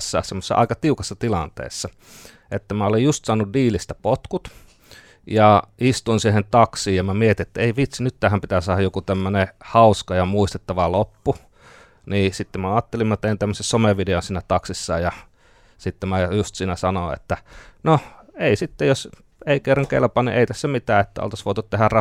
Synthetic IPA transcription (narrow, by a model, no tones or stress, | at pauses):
sːɑ̰semːosːɑ̰ʔɑ̰ikɑt̪iukɑsːɑt̪ilɑnt̪ḛːsːɑ | et̪ːæmæolejjust̪sɑːnuddiːlist̪æpot̪kut̪ | jɑist̪uinsihent̪ɑksiːjjɑmæmiet̪iet̪ːæeiʋit̪sinyt̪ːæhæmpit̪æsɑːhɑjokut̪æmːønehɑuskɑjɑmuist̪et̪ːɑʋɑlopːu | niːsit̪ːemmæɑːt̪ːelimːot̪eint̪æmːøsessomeʋideonsiːnæt̪ɑksisːɑːjjɑ | sit̪ːemæjust̪siːnæsɑnoḛt̪ːæno | eisit̪ːejos | eikerːɑŋkḛlpɑnḭʔḛit̪æsːæmit̪æːet̪ːæ̰o̰lt̪ɑsʋoˑit̪ut̪t̪ehærrɑ